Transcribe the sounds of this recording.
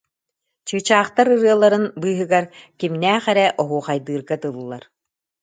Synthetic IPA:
t͡ɕɯːt͡ɕaːχt̪aɾɯɾɯɐlˠːaɾɯnbɯːɦɯɡaɾkimnæːχɛɾɛʔɔɦuːχajd̪ɯːɾɡat̪ɯlˠlˠːaɾ

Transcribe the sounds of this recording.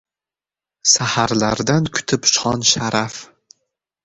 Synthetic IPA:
sahaɾlaɾd̪ankʰʊ̥t̪ʰɪpʃɒnʃaɾaf

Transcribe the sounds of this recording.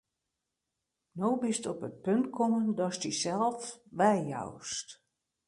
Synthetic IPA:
nowbɪstɔpət̚pøntkʰoməndɔstisɛlˠfʋɛjja̰wst

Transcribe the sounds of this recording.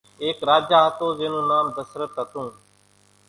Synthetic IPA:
eːkɾaːd͡ʒaːɦət̪oːzẽːnũːnaːmd̪əsɾət̪ɦət̪ũː

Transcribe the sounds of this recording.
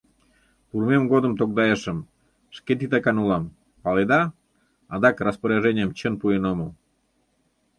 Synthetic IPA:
purmemɡod̪əmt̪ok̚d̪ɑjeʃəm | ʃket̪̬it̪ɑkɑnulɑm | pɑled̪ɑ | ɑd̪ɑkrəspəɾeʒenʲɪəmt͡ɕənpuenomə

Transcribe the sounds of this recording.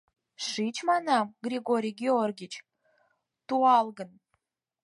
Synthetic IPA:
ʂit͡ɕmɑnɑmɡrʲiɡoɾʲijɡʲeorɡʲit͡ɕ | t̪uɑlˠɡən

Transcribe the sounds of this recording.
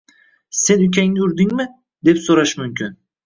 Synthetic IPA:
se̞nʊkʲʰaŋʊɾd̪ɪŋmɪ | d̪e̞psoɾaʃmʊmkʰʲyn

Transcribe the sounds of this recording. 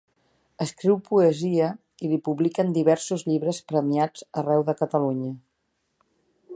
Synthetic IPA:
əskɾiwpuəziə | ilipuβlikənd̪iβɛɾsuzʎiβɾəspɾəmiad͡zərɛwðəkət̪əluɲə

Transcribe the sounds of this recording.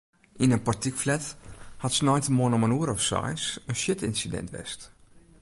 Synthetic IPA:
ʔinənpartikflɛthatsnɔjtəmoənɔmənuəɾɔfsa̰jsənʃjɪtɪnsidɛ̰ntʋɛ̰st

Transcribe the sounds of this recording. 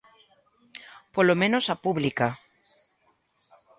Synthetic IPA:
polomẽnosapuβlika

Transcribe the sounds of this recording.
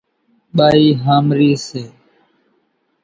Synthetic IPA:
ɓaːiːɦaːmɾiːseː

